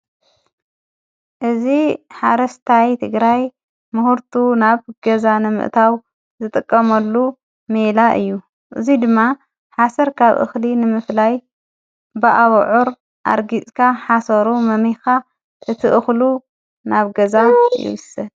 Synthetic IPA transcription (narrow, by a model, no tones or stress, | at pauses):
ʔɨziħaɾɐst̪ʰajt̪ʰɨɡɾaj | mɨhɨɾt̪ʰunaβɡɐzanɨmɨ̰ʔt̪ʰaw | zɨt̪ʼɨkʼːɐmɐlːu | melaʔɨ̰jːu | ʔɨ̰zid̪ɨmːa | ħasɐɾkʰaβʔɨ̰xlinɨmɨflaj | bɨʔaβʕuɾ | ʔa̰ɾɡit͡sʼkʰaħasɐɾumɐmixa | ʔɨt̪ʰɨʔɨxlu | naβɡɐzajɪ̰wɨsɐd